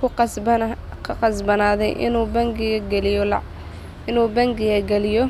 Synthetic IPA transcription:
kʰʊqsb | kʰɐqɑsbɐnaːðɛ̰jʔɪ̰nuːbɐŋɡɪɐɡɛlɪjɔl | ɪnuːbɐŋɡɪɣɐɡɛlɪjɔ

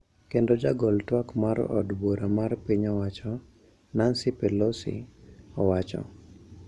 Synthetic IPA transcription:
kendod͡ʒaɡɔltwakmaɾɔ̰dboɾamarpiɲɔwat͡ʃɔ | nansipɛlɔsḭɔwat͡ʃɔ̰

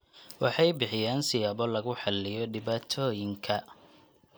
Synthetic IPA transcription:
wɑħɑjbɪħɪjaːnsɪjaːbɔlɐɣʊħɑlːɪjɔɖɪbaːt̪ʰɔːjɪŋkʰɐ

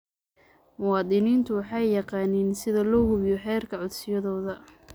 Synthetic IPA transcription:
mʊwɑːd̪ɪniːnt̪ʰʊwɑħɑjːɑqɑːniːnsɪðɐlɔːhʊβjɔħɛːrkʰɐʕʊd̪sɪjɐðɔːðɐ

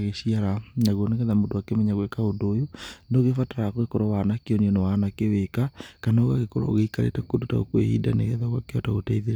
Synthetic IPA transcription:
ɣesiaɾanaɣwɔneɣɛðamodoakemɛɲaɣwekaodojonoɣefataɾakoɣekoɾɔwanakeɔniɔnɛwanakewekakanoɣaɣekoɾa̰o̰ɣeikaɾḛtakodota̰o̰kwḛhḭːdanḛɣɛðaɣwakeɔtaɣotaiðeɾa

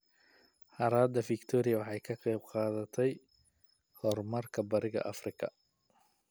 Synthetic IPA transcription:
ħɑɾaːd̪ɐfɪkt̪ʰɔɾɪjɐwɑħɑjkʰɐqɛjb̚qɑːðɐt̪ʰɛj | hɔrmɐrkʰɐbɐɾɪɣɐ̰ʔɐfrɪkʰɐ̰

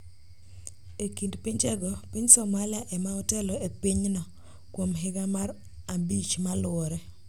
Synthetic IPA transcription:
ekindpiɲt͡ʃɛɡɔpiɲsɔmalɪaʔɛmaɔtɛlɔepiɲnɔ | kwomɦɪɡamar | abit͡ʃmalʊɔɾɛ

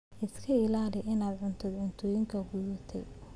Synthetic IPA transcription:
ʔɪskʰɐɪlaːlɪʔɪnaːd̪ʕʊnt̪ʰɐd̪ʕʊnt̪ʰɔːjɪŋkʰɐɡuːðɐt̪ʰɛ̰j

